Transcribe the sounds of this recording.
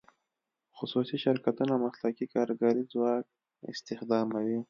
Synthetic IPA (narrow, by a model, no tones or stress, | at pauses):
xʊsusiʃɪɾkat̪unamaslakikɑɾɡɑɾizwɑk̚ | ɪ̰st̪ɪxd̪ɑmawi